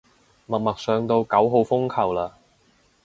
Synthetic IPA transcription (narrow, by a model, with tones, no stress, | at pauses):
mɐ˨t̚mɐ˨k̚sœː˨˧ŋt̪o˧wkɐ˨˥wɦo˨˧wfʊ˥ŋkʰɐ˨˩wlaː˧